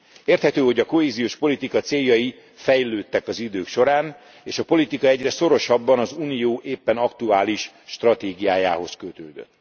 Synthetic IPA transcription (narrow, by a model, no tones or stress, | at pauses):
eːrt̪hɛt̪øːho̞ɟɒko̞ɦeːzijoːʃpo̞lit̪ikɒt̪seːjːɒji | fɛjløːt̪ːɛkɒzid̪øːkʃo̞ɾaːn | eːʃɒpo̞lit̪ikɒɛɟrɛso̞ɾo̞ʃɒbːɒnɒzuːnijoːʔeːpːɛnɒkt̪uaːliʃ | ʃt̪rɒt̪eːɡijaːja̰ːɦo̞skøt̪øːd̪ø̰t̪ː